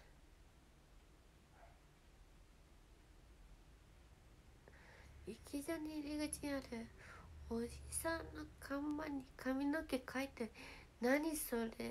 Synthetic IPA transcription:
ikʲizanʲiɾʲiɡɯt͡ɕiɲiaɾɯ̟od͡ʑisãnːokʰãmbãɲ̟ːikʰamʲinokekʰait̪e | naɲ̟isoɾe

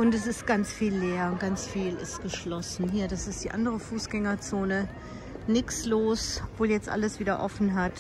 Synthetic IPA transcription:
ʔʊntɛs̬ɪstɡ̥ant͡sfiːlːeːɐʊnt̚ɡ̥ant͡sfiːlɪ̰stɡ̥əʃlɔsn̩ɦiːɐdasɪstd̥iːʔa̰ndəʁəfuːsɡ̥ɛŋɐt͡soːnə | nɪksloːsɔpv̥oːljɛt͡stʔa̰ləsv̥iːdɐʔɔfn̩ɦat

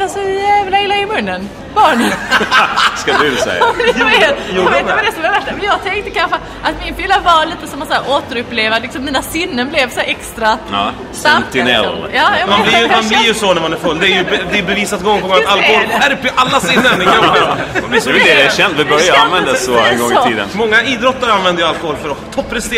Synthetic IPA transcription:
asɔjæːvlaɪlːaɪmɵnːən | bɑːɳə | skad̪ʉsɛ̰jːat̪juːɾd̪mɛd̪ɛsɔmɛvɛʂamɛnjɑːɡ̚t̪ʰɛŋk̚t̪əkʰanɧə | ʔat̪mɪnfɪlːavaliːt̪əsɔmasæːɾʔoːt̪əɾɵpːleːvalɪksɔmːiːnasɪnːənblɛvsæɾɛkst̪ɾa | sat̪ɪnɛ̰ljɑːjmanblɪjmanblɪɾjɵsɔnæɾmanæɾfɵlːd̪ɛːɾjɵd̪ɛɛbɛviːsat̪ɡɔŋːpʰɔɡɔŋat̪alkɔhoːlæɾpʰɔʔalːasɪnːənɛɡʰammɛd̪ɛɛsɔɛvɛd̪ɛdɛɛɕɛnd̪vɪbœɾjaanvɛnd̪asɔɛ̰nɡɔŋːɪiːd̪ə̰nmɔŋːaʔiːd̪ɾɔt̪ːaɾanvɛnd̪əjalkɔhoːlfœɾɔt̪ʰɔpʰːɾɛst̪eː

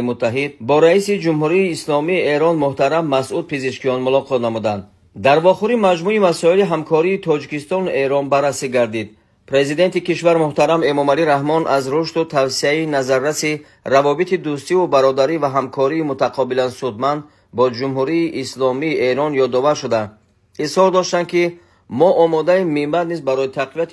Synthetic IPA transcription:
imut̪ʰːaɦid̪̚bɔɾaisid͡ʒumɦuɾiːslɔmiːe̞ɾɔnmuht̪aɾamːasʔud̪̚pʰiziʃkijɔnmulɔqʰɔt̪namud̪and̪ː | aɾvɔχuɾimad͡ʒmuimasɔiliɦamkʰɔɾiːt̪ʰɔd͡ʒikist̪ɔnuʔe̞ɾɔnbarːasiɡaɾd̪id̪̚ | pʰɾe̞zid̪e̞nt̪ikiʃvaɾmuht̪aɾame̞mɔmaliɾaɦmɔnʔazɾuʃt̪ut̪ʰavsiainazaɾːasi | ravɔbit̪id̪ust̪iubaɾɔd̪aɾivaɦamkʰɔɾiːmut̪ʰaqʰɔbilansud̪mand̪ | bɔd͡ʒumɦuɾiːʔːslɔmiːʔe̞ɾɔnjɔd̪ɔvaɾʃud̪a | ishɔɾd̪ɔʃt̪and̪ki | mɔʔɔmɔd̪aimimːat̪nizbaɾɔit̪ʰaqviat̪i

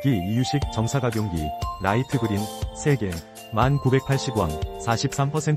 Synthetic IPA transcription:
kiijuɕʰik̚t͡ɕʌŋsʰaɡaɡjoŋɡḭɾaitʰɯɡɯɾinsʰe̞ɡe̞ | mankube̞k̚pʰaɭɕ͈iɡwa̰ŋsʰaɕʰip̚s͈ampʰʌsʰe̞n

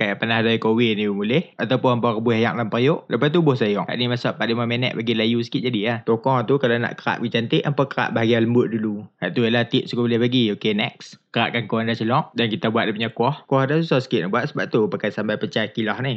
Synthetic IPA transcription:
kajaʔpənahdaikowɪnibəmulɛhat̪awpʊnəmpɔrəbuhaja̰ʔlampərjoʔləpat̪ubʊhsajɔʔa̰ʔnimasaʔpaʔdimamenɛ̰ʔbaɡilajusə̥kit̪̚d͡ʒadiaht̪okɔŋt̪ukalana̰ʔkəɾa̰ʔbɡit͡ʃant̪ɪʔʔəmpakəɾa̰ʔbaɦaɡialəmbʊʔ̪̚duluha̰ʔt̪ujalat̪ɪʔ̚sukubəlɪhbaɡiokenɛk̚skəɾa̰ʔkankoandat͡ʃəlɔʔdankit̪abuat̪dapuɲakɔhkɔhdasusɔhsə̥kɪt̪̚nahbuat̪̚səbap̚t̪upakajsambajpət͡ʃakilɔhnih

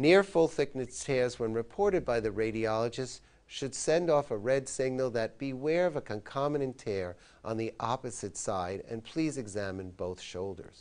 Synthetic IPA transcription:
nɪɹfʊlˠθɪk̚nɨttʰɛɹzwə̃nɹɨpʰɔɹɾɨd̚baɪðɨɹeɪɾiɑlˠəd͡ʒɨst | ʃɨd̥sɛ̃ndɔfəɹɛdsɪɡ̚nl̩ˠðɨt̚b̥iwɛɹʌvəkʰɨ̃nkʰɑmɨɾɨ̃ntʰɛɹ | ʔə̃nðiʔɑpɨzɨtsaɪɾɨ̰̃npʰl̥izɨɡzæmɨ̃nboʊθʃoʊlˠdə̰˞z̥

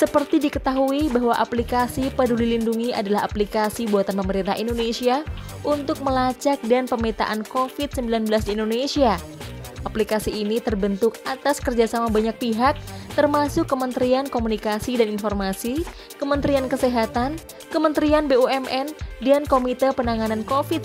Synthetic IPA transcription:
səpərt̪idikət̪aɦuibaɦwaʔaplikasipədulilinduŋiadalaɦaplikasibuat̪anpəməɾint̪aɦindonesia | ʔunt̪ʊk̚məlat͡ʃak̚danpəmit̪a̰ʔankofɪt̪̚səmbilanbəlasdiːndonesia | ʔaplikasiːnit̪ərbənt̪ʊk̚at̪askərd͡ʒasamabaɲak̚piɦak̚t̪ərmasʊkːəmənt̪ɾiankomunikasidaninformasi | kəmənt̪ɾiankəseɦat̪an | kəmənt̪ɾianbeuɛmʔɛndankomit̪əpənaŋanankofɪt̪̚

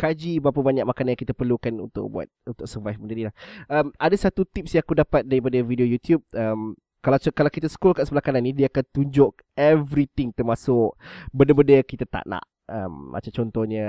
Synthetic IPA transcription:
kad͡ʒibapəbaɲaʔ̚makanaɲaŋkit̪əpərlukanṵnt̪ʊ̰k̚bua̰t̪̚unt̪ʊk̚səvajfməndəɾilahʔəmadasat̪ut̪ip̚sjãŋakudapat̪̚daɾipadəvidiojut̪jub̚əm | kalakalakit̪əsə̥kulkaʔsəbəlahkananːidiəakant̪uɲd͡ʒʊʔ̚ | ɛvɾit̪ɪŋt̪ərmasʊkbəndəbəndəkit̪at̪a̰ʔna̰ʔ | ə̰mʔa̰t͡ʃamt͡ʃɔnt̪ɔɲə

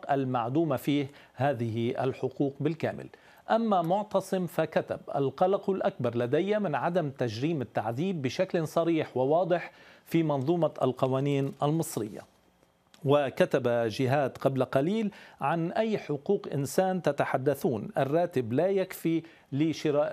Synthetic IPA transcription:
qʔalmaʕd̪uːmafiːh | haːðɪɦɪʔa̰lħʊquːqbɪlka̰ːmɪ̰l | ʔamːamʊʕt̪ɑsˤɨmfakat̪abʔa̰lqɑlɑqʊlʔakbɑɾˤlad̪ajːamɪnʕad̪amt̪aʒɾiːmɪt̪ːaʕðiːbːɪʃaklsˤɑɾiːħwɪwɑːd̪ˤɨħfiːmɑnðˤuːmɑʔa̰lqɑwaːniːnʔalmɨsˤɾɪjːa̰ | wɪkat̪abaʒɪɦaːd̪qɑblaqɑliːlʕanʔajːħʊquːqʔɪ̰nsaːnt̪at̪aħad̪ːaθuːnʔa̰rˤːɑːt̪ɪblajakfi | lɪʃɪɾaːʔ

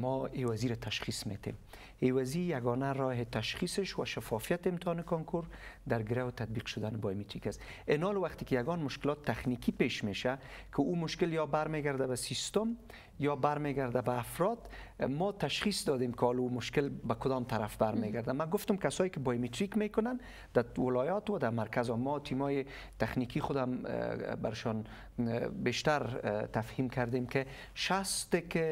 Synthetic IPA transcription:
mɔewaziɾat̪ʰaʃχismḛt̪ḛm | ewazijaɡɔnaɾɔɦɪt̪aʃχisɪʃwaʃafɔfijat̪ɪmt̪ɔnɪkɔŋkʰoɾd̪aɾɡɪɾawʊt̪ad̪̚biqʃʊd̪anɪbɔjmet̪ɾikas | ɪnɔlwaχt̪ɪkɪjaɡɔnmʊʃkɪlɔt̪ʰːaxnikʰipeʃmeʃakʰɪumʊʃkɪljɔbaɾmeɡaɾd̪abasist̪ʊm | jɔbaɾmeɡaɾd̪abaːfɾɔd̪ | mɔt̪aʃχisd̪ɔd̪emkɪɔlumʊʃkɪlbakʊd̪ɔmt̪aɾafbaɾmeɡaɾd̪amaɡʊft̪ʊmkasɔjɪkɪbɔjmet̪ɾikmekʊnan | d̪̥awɪlɔjɔt̪wad̪amaɾkazɔmːɔt̪ʰimɔjɪ | t̪aχnikiχʊd̪amba̰ɾɪʃɔn | beʃt̪aɾt̪afhimkaɾd̪emkɪ | ʃast̪ɪkɪ

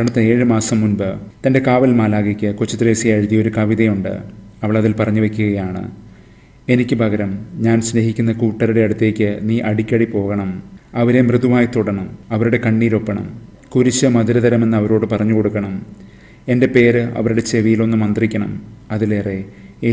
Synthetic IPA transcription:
ɐɳɐt̪ːɐeːɻɨmaːsɐmːunbɨt̪ɐnde̞kaːʋɐlmaːlaːɣekʲːɨkot͡ɕːɐt̪resijɐɻuðijɐo̞ɾukɐʋiðɐjuɳɖɨ̰ɐʋɐɭɐðilpɐrɐɲːuʋe̞kʲːuɣɐjaːɳɨ̰ | e̞nikʲːɨbʱɐɣɐɾɐmɲaːnsneɦikʲːunːɐkuːʈːɐɾuɽe̞ɐɽut̪ːe̞ːkʲːɨniːʔɐɽikʲːɐɽipo̞ːɣɐɳɐmɐʋɐɾemrɨðumaːjɐt̪ːoɽɐɳɐmɐʋɐɾuɽe̞kɐɳːiːɾo̞pːɐɳɐ̰m | kuɾit͡ɕːɐmɐðiɾɐðɐɾɐme̞nːɨɐʋɐɾo̞ːɽɨpɐrɐɲːuko̞ɽukːɐɳɐm | e̞nde̞pe̞ːɾɨɐ̰ʋɐɾuɽe̞t͡ɕe̞ʋijilo̞nːɨmɐnd̪rikʲːɐɳɐ̰mɐðile̞ːre̞e

